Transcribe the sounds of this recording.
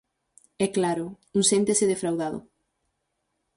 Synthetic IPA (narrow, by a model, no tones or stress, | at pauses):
ɛklaɾʊ | uŋsent̪esɪðefɾawðaðʊ̰